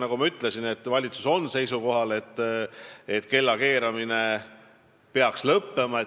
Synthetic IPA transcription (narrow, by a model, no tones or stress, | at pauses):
nɑɡumɑyt̪ːˑle̞sinet̪ːˑvɑlʲit̪su̥so̞nːse̞jsuko̞ɦɑle̞t̪ˑː | et̪ːˑke̞lːɑke̞ːɾɑmine̞ | pe̞ɑkslɤpːe̞mɑe